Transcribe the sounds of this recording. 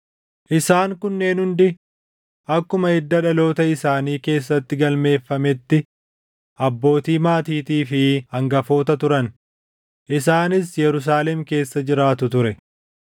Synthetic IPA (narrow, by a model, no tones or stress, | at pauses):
ʔɪsaːŋkʊnːe̞ːnhʊnd̪ɪ | ʔɐkːʊmɐɛd̪ːɐᶑɐlo̞ːt̪ɐɪsaːniːke̞ːs̬ːɐt̪ːɪɡɐlme̞ːfːɐmɛt̪ːɪ | ʔɐbːo̞ːt̪iːmaːt̪iːt̪iːfɪhɐŋɡɐfo̞ːt̪ɐt̪ʊɾɐn | ʔɪs̬aːnɪsjɛɾʊs̬aːlɛmke̞ːsːɐd͡ʒɪɾaːt̪ʊt̪ʊɾɛ